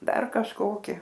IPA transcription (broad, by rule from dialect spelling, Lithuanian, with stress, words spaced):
ˈdɐr kɐʃˈkoːkʲɪ